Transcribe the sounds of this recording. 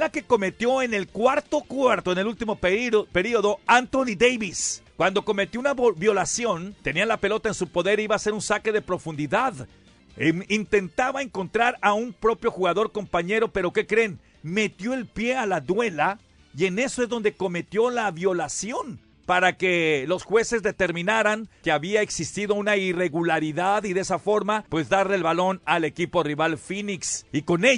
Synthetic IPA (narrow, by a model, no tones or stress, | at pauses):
lake̞ko̞me̞t̪jo̞e̞ne̞lkwaɾt̪o̞kwaɾt̪o̞enelult̪imo̞pe̞ɾio̞ðo̞ant̪onid̪ejβiskwand̪o̞ko̞me̞t̪jo̞unabjo̞lasjo̞nt̪e̞nialape̞lo̞t̪aensupo̞ðe̞ɾiβaːse̞ɾunsake̞ðe̞pɾo̞fund̪iðað | emint̪e̞nt̪aβaeŋko̞nt̪ɾaɾaumpɾo̞pjo̞xuɣaðo̞ɾko̞mpaɲe̞ɾo̞pe̞ɾo̞ke̞kɾe̞n | me̞t̪jo̞e̞lpje̞alaðwe̞la | ie̞ne̞so̞e̞zðo̞nd̪e̞ko̞me̞t̪jo̞laβjo̞lasjo̞n | paɾake̞lo̞sxwe̞se̞zðe̞t̪e̞ɾmĩnaɾaŋke̞aβiae̞ksist̪iðo̞unaire̞ɣulaɾiðaðiðe̞safo̞ɾmapwe̞zðaɾlelβalo̞nale̞kipo̞riβalfiniksiko̞ne